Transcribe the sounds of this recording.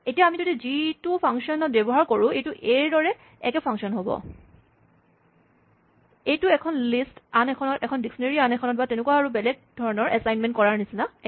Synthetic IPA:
etijaːmizodizitupʰaŋksiɔnɔt̚bɛbɔɦaɹkoɹʊ̃ejtuʔeɹdɔɹɛ | ɛkɛpʰaŋksiɔnɦobɔ̰ | ejtuɛkʰɔnlistanɛkʰɔnɔtɛkʰɔndiksɔneɹianɛkʰɔnɔt̚batenekuwaaɹubɛlɛɡ̚dʱɔɹɔnɔɹʔɛsajnmɛ̃ntkɔɹaɹnisina

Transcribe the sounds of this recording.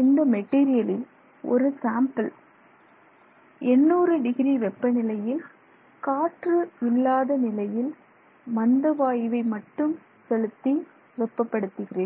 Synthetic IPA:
ɪnd̪ɐmɛʈːiːɾɪjɐlɪl | ʔɔ̰ɾɯsaːmpɐl | ɛnːuːɾɯɖɪɣɪniʋɛpːɐnɪlɐjɪl | kaːʈrɯɪlːaːðɐnɪlɐjɪl | mɐnd̪ɐʋaːjʋɐɪmɐʈːɯm | sɛɻɯt̪ːi | ʋɛpːɐpːɐɽɯt̪ːɯɣɪreːn

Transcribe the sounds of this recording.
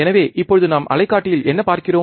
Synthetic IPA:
ɛnɐʋeːʔɪpːɔɻɯðɯnaːmʔɐ̰lɐɪkːaːʈːɪjɪlɛnːɐpaːɾkɪroː

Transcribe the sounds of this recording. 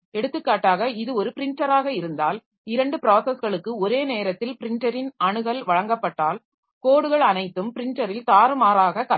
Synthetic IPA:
ɛɽɯt̪ːɯkːaːʈːaːɣɐɪðɯɔɾɯpɪɾɪɳʈɐɾaːɣɐɪɾɯnd̪a̰ːl | ɪɾɐɳɖɯpɪɾaːsɐsɣɐɭɯkːɯɔɾeːneːɾɐt̪ːɪlpɪɾɪɳʈɐɾɪnɐɳɯɣɐlʋɐɻɐŋɡɐpːɐʈːaːl | koːɽɯɣɐɭɐnɐɪt̪ːɯmpɪɾɪɳʈɐɾɪlt̪aːɾɯmaːɾaːɣɐkɐ

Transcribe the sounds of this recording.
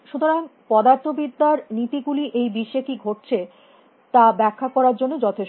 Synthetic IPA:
ʃut̪oɾaŋpɔd̪aɾt̪ʰobid̪ʱːaɾnit̪iɡuliʔejbiʃekiɡʱoʈ̚t͡ɕʰe | t̪abɛkʰːakɔɾaɾd͡ʑonːod͡ʑɔt̪ʰeʃ

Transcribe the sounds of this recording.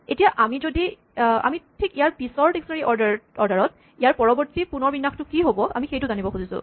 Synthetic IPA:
etijaʔamizodi | a̰mitʰikijaɹpisɔɹteksɔnaɹiʔɔɹdaɔɹdaɹɔt̚ | ijaɹpɔɹɔbɔɹtipunɔɹbinːaxtʊkiɦobɔʔa̰mixejtʊzanibɔxuzisʊ̰

